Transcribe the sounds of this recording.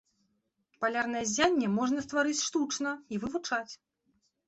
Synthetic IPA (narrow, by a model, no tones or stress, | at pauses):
palʲarnɐjɛzʲanʲːɛmɔʐn̪ɐst̪vaɾɨt͡sʲʂt̪ut͡ʂnɐivɨvut͡ʂat͡sʲ